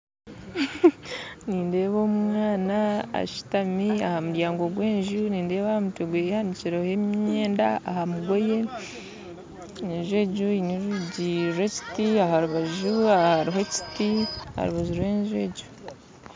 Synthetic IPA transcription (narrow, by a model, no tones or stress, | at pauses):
niːnde̞ːβoːmŋaːnaa̰ʃi̥tamiahamuɾjaːŋɡo̞ɡwe̞ːɲʒuniːnde̞ːβahamuteɡwehandiciɾehemɲɲe̞ːnda̰a̰hamuɡo̞je̞ | eɲʒwe̞ːɟuiniɾuɟiɾeci̥tiaɦaɾuβaʒuahaɾiɦo̞ci̥tiha̰ɾuβaʒuɾweːɲʒwe̞ːɟu